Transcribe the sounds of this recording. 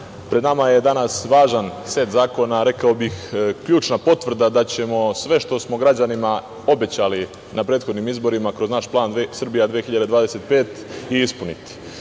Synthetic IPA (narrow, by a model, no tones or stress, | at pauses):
pɾed̪namaje̞d̪anasʋaːʒanse̞t̪zaːko̞naɾe̞kaobixkʎuːt͡ʃnapo̞t̪ʋr̩d̪ad̪at͡ɕe̞mo̞sʋe̞ʃt̪o̞smo̞ɡɾad͡ʑanima | o̞be̞t͡ɕali | napɾet̪xo̞d̪nimizbo̞ɾimakɾo̞znaʃplˠaːnd̪sr̩bijad̪ʋexiʎad̪eʋaːd̪e̞set̪̚pe̞ːt̪iispunit̪i̥